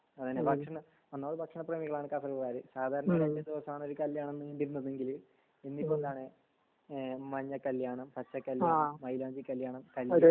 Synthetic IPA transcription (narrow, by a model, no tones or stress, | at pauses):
ɐðinːebʱɐkʂɐɳɐ | ɐnːaːɽɨbʱɐkʂɐɳɐpreːmiɣɐɭaːɳɨkɐfɐriɐraːɾɨsaːd̪ʱaːɾɐɳɐɾendɐd̪iʋɐsɐmaːɳo̞ɾukɐljaːɳenːɨnd̪iɾunːɐðeŋɡil | enːipːod̪aːɳɨ | mɐɲːɐkːɐljaːɳɐmpɐt͡ɕːɐkːɐljaːɳɐmːɐjlaːɲd͡ʑikːɐljaːɳɐmkɐlj